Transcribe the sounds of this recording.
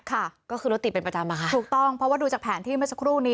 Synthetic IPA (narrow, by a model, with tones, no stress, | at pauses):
kʰa˥˩kɔː˥˩kɯː˧ɾo˦˥t̪ːi˨˩pe˧npɾa˧t͡ɕa˧mːaː˧kʰa˦˥uː˨˩k̚t̪ɔ˥˩ŋpʰɾɔ˦waː˥˩duː˧t͡ɕaː˨˩pʰɛː˩˦nt̪ʰiː˥˩mɯ˥˩sḁ˧kʰɾuː˥˩niː˦˥